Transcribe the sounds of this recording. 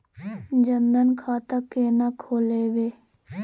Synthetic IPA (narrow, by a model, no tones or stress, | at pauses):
d͡ʒənd̪ənkʰaːt̪akeːnakʰoːleːʋeː